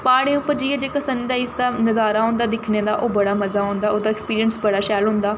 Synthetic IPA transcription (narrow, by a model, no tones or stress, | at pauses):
paːɽẽːʊpːəɾd͡ʒiːaːd͡ʒeːkəsənːd̪aːɪsd̪aːnəzaːɾaːɦõʊ̃ːnd̪aːd̪ɪkʰneːd̪aːʔoːbəɽaːməzaːɦʊ̃ːnd̪aːoːd̪aːɪkspiːɾiənsbəɽaːʃɛːlɦʊ̃nd̪aː